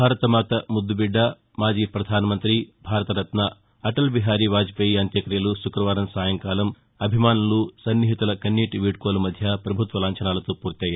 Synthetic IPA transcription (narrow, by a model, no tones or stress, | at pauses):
bʱaːɾɐt̪ɐmaːt̪ɐmud̪ːubiɖːɐ | maːd͡ʒiːpɾɐd̪ʱaːnɐmɐnt̪ɾibʱaːɾɐt̪ɐɾɐt̪nɐ | ɐʈɐlbiɦaːɾiʋaːd͡ʒipɐjiɐnt̪jɐkɾijɐluʃukɾɐʋaːɾɐmsaːjɐŋkaːlɐm | ɐbʱimaːnulusɐnːiɦit̪ulɐkɐnːiːʈiʋiːɖ̚koːlumɐd̪ʱjɐpɾɐbʱut̪ʋɐlaːɲt͡ʃɐnaːlɐt̪oːpuːɾt̪jɐːjɐ